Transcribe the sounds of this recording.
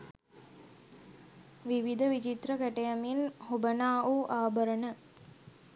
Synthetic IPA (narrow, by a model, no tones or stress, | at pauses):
ʋiʋid̪ʱəʋit͡ʃit̪ɾəkæʈejaminhubənaːʔuʔaːbəɾənə